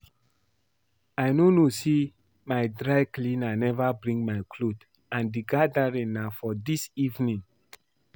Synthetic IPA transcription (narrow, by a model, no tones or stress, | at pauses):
ajnonosi | maɪdɹaɪklĩnanɛvabɹĩŋmaɪkʰlod | ãndiɡadaɹĩŋnafɔdisivnĩŋ